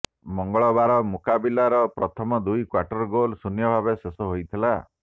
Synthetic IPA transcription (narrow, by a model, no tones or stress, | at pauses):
mɔŋɡɔɭɔbaɾɔmukabilaɾɔpɾɔt̪ʰɔmɔd̪ujkwaʈɔɾɡolsunjɔbʱabesesɔɦojt̪ʰila